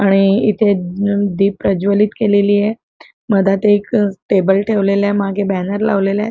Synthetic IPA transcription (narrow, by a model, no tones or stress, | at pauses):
aɽ̃iit̪ʰed̪iːpːɾəd͡ʑʋəliːt̪keleliːje | məd̪ʱat̪ekʈebəlʈʰeʋleljamaɡebɛnəɾla̰ʋlelja̰